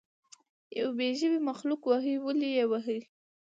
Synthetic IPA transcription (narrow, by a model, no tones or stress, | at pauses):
ja̰wbeʒəbimaxlukwaɦəwəlijewaɦə